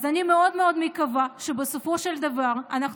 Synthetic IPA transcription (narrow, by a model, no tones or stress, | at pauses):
zanimeo̞d̪meo̞d̪mekavaʃebesofo̞ʃeld̪avaʁanaχ